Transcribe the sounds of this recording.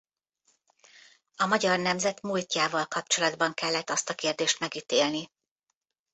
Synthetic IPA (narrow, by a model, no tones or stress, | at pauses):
ɒmɒɟɒrnɛmzɛt̪mulcaːvɒlkɒp̚t͡ʃo̞lɒd̪bɒŋkɛlːɛt̪ːɒst̪ɒkeːrd̪eːʃt̪mɛɡiːt̪eːlni